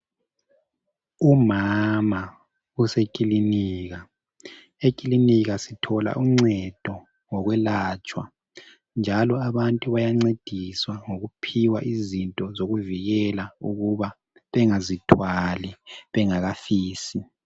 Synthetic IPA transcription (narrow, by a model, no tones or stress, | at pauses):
umama | usekʼiliniːɣa | ekʼiliniɣasitʰɔla̰ʔuŋ͡ǀɛd̥ʱɔ | ŋɔɣwɛlat͡ʃʼwa̰ | nd͡ʒʱalɔaβantʼuβajaŋ͡ǀed̥ʱiswaŋoɣupʰiwa̰ʔizintʼɔzoɣuviɣɛlauɣuβa | βɛŋazitʰwaliβɛŋaɣafiːsi